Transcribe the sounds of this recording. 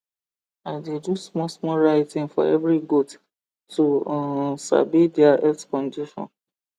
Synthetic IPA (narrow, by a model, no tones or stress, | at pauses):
aɪdedusmɔsmɔɹaɪtĩŋfɔ̰ɛ̰vɹiɡot | tusa̰bidɛaʔɛkskɔ̃ndiʃɔ̰̃n